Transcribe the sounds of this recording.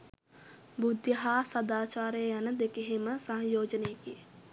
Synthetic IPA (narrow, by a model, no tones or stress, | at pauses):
bud̪jəɦaːsɐd̪aːt͡ʃaːɾəjəjanəd̪ekeɦeməsaɦŋjoːd͡ʒənejəkijə